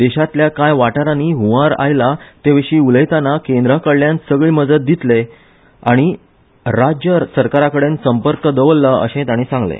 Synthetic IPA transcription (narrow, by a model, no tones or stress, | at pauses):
d̪eɕat̪ljakajʋaʈaɾaniːɦũʋaɾa̰jlat̪eʋeɕiːuləjt̪anakẽnd̪ɾakəɽljansəɡɭiːməd͡zət̪̚d̪it̪le | aɽ̃i | ɾad͡ʑjəɾsəɾkaɾakəɽensəmpəɾkəd̪əʋəlːaʔə̰ɕẽt̪aɽ̃isãŋɡlḛ